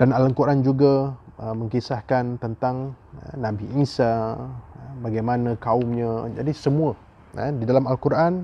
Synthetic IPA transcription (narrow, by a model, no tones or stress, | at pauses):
d̥analəŋkuɾʔand͡ʒuɡaəmə̃ŋkisahkant̪ənt̪aŋə̰nãbiʔisa | baɡajmanãkaʊmɲãd͡ʒadisəmũə | ə̰didalamalkuɾʔan